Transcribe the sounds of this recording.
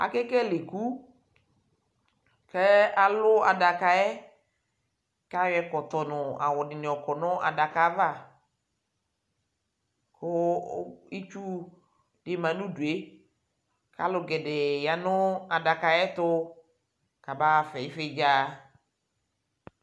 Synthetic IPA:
a̰˨kɛ˦kɛ˦lɪ˨ku˦ | kɛ˦a˨lʊ˦a˨da˨ka˨ɛ˦ | ka˦wɛ˨kɔ˨t̪ɔ˨nʊ˨a̰˨wɔ˨dɪ˨nɪ˨ɔ˨kɔ˨nʊ˦ʔa̰˨da˨ka˨˦va˦˨ | kʊ˦ | i˦t͡ʃu˦ | dɪ˨mã˨nũ˦du˨e˦ | ka˦lʊ˨ɡɛ˨dɪ˨ja˨nʊ˦a˨da˨ka˨ɛ˦t̪ʊ˦ | ka˨ba˦˨fɛ˨ɪ˦fɪ˦d͡ʒaː˦

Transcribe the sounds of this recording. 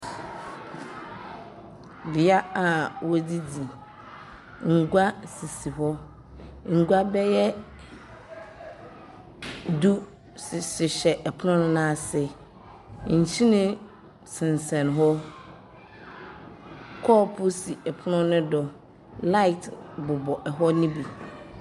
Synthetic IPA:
bi˨a˦a˨wɔ˦di˦di˨ | ŋ̩˨ɡʷa˦si˨si˨ɦɔ˦ | ŋ̩˨ɡʷa˦bɛ˦jɛ˦ | du˦˨ | sɪ˨ɕɛ˨ʔɛ˨pʰʊ˦nʊ̃˦nʊ̃˦nã˦˨sɛ˨ | ɲ̩˨t͡ɕʰi˦nɪ̃˦ | sɪ̃˨n˨sɛ̃˨nɦɔ˦ | kʰɔ˦pʰʊ˦si˨ɛ˨pʰʊ˦nʊ̃˦nʊ̃˦dɔ˨ | la˦i˨tbʊ˨bɔ˨ʔɛ˨ɦɔ˦nĩ˦bi˨

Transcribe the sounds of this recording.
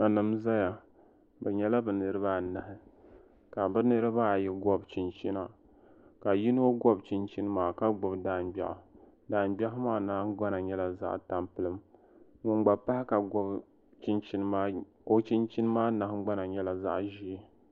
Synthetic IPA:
a˨nɨ˨mza˦ja˨ | bɛ˨ɲɛ˨la˦bɨ˨nɨ˨ɾɨ˦ba˦˨na˨ɦɪ˦ | ka˨bɨ˦nɨ˦ɾɨ˦baː˦˨jɛ˦ɡɔ˦bt͡ʃi˨nt͡ʃi˦na˨ | ka˨ji˦n˦o˦ɡɔ˦bt͡ʃi˨nt͡ʃi˦n˦maː˨ka˦ɡ͡bʊ˨bdaː˦nbʲa̰˨ʔa˨ | daː˨nbʲa˦hmaː˦na˦ɡ͡ba˦na˨ɲɛ˦la˨za̰˦ʔta˨mpɨ˦lɨ˦m | mʊ˨ŋ͡mɡ͡ba˨pa˦hɪ˦ka˨ɡɔ˦b | t͡ʃi˦nt͡ʃi˦n˦maː˦ | o˦t͡ʃi˦nt͡ʃi˦nɨ˦maː˦na˨hɡ͡ba˦na˨ɲɛ˦la˨za̰˦ʔʒi˦

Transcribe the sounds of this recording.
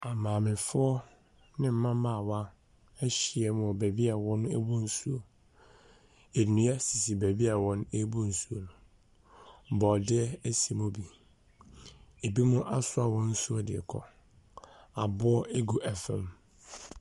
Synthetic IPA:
a˨mãː˨mɪ̃˨fʊ˦ɔ˦ | nɪ̃˦m̩˦mã˦mã˦˨wa˦ | ɛ˦ɕi˨ɛ˦mʊ̃˨ɔ˨bæ˨bi˦a˨wɔ̃˦nʊ̃˦e˦bu˦n̩˦su˦o˨ | e˨nũ˨˦ɛ˦si˨si˨bæ˨bi˦a˨wɔ̃˦nʊ̃˦e˦bu˦n̩˨su˦o˨lʊ˨ | bɔ˨dɪ˦ɛ˦e˦si˨mʊ̃˦bi˨ | e˨bi˦mʊ̃˦ʔa˦sʊ˦a˨wɔ̃˦n̩˦su˦ɔ˦dɪ̰˨kʰɔ̰˦ | a˨bʊ˦ɔ˦e˦ɡu˦ʔɛ˨fɛ̰̃˦m

